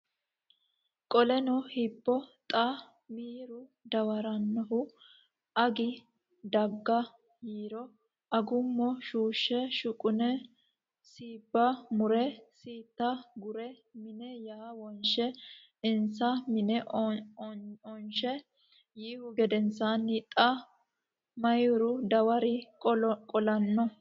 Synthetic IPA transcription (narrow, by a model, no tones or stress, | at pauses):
kʼɔlɛnɔhipːɔt̪ʼɐ | miːɾʊd̪ɐwɐɾɐnːɐɦʊ | ʔɐɡɪ | d̪ɐɡːɐ | jiːɾɔ | ʔɐɡʊmːɔʃuːʃːɛʃʊkʼʊnɛ | siːbːɐmʊɾɛsiːt̪ːɐɡʊɾɛ | mɪnɛjaːwɔnʃɛ | ɪnsɐmɪnɛʔ | ɔnʃɛ | jiːhʊɡɛd̪ɛnsanɪt̪ʼɐ | mɐjʊɾʊd̪ɐwɐɾɪ | kʼɔlɐnːɔ